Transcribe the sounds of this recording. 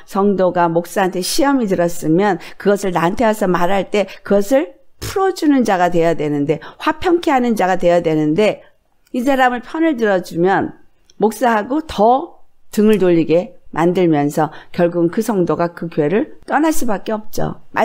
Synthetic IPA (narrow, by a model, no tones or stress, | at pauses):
sʰʌŋdoɡamok̚s͈aɦantʰe̞ɕʰiʌmitɯɾʌs͈ɯmjʌnkɯɡʌsʰɯɭnantʰeasʰʌmaɾaɭt͈e̞kɯɡʌsʰɯɭpʰuɾʌd͡ʑunɯnd͡ʑaɡadwe̞jadwe̞nɯnde̞ɸwapʰjʌŋkʰeɦanɯnd͡ʑaɡadwe̞jadwe̞nɯnde̞ | is̬ʰaɾamɯɭpʰjʌnɯɭtɯɾʌd͡ʑumjʌn | mok̚s͈aɦaɡotʌtɯŋɯɭdoʎːiɡe̞mʔandɯɭmjʌnsʰʌkjʌɭɡuɡɯnkɯsʰʌŋdoɡakɯkjoe̞ɾɯɭt͈ʌnas͈ɯbak͈̚e̞ʌp̚t͡ɕ͈o̰ma